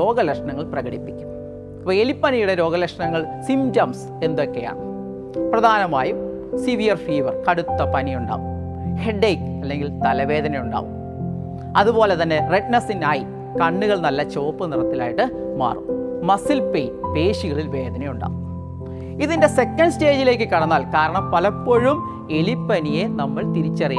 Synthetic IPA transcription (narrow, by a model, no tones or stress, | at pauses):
o̞ːɡɐlɐkʂɐɳɐŋːɐɭprɐɣɐɽipːikʲːu̥m | ɐʋɐelipːɐnijuɽe̞ɾo̞ːɡɐlɐkʂɐɳɐŋːɐɭsimtɐms | e̞nd̪o̞kːe̞ja̰ːɳɨ | prɐd̪ʱaːnɐmaːjum | siʋijɐrfiːʋɐrkɐɽut̪ːɐpɐnijuɳɖa̰ːʋum | he̞ɖejkːɐlːe̞ŋɡilt̪ɐlɐʋe̞ːd̪ɐnɐjuɳɖa̰ːʋum | ɐðubo̞ːle̞t̪ɐnːe̞reʈnɐsinaːji | kɐɳːuɣɐɭnɐlːɐt͡ɕo̞ːpːɨnirɐt̪ːila̰ːjiʈːɨma̰ːrṵmmɐsilpejpe̞ːʂiɣɐɭilʋe̞ːd̪ʱɐnɐjuɳɖa̰ːʋum | iðinde̞se̞kːɐɳɖste̞ːd͡ʑile̞ːkːɨkɐɽɐnːaːlkaːɾɐɳɐmpɐlɐpːoɻum | e̞lipːɐnije̞nɐmːɐɭt̪iɾit͡ɕːɐrij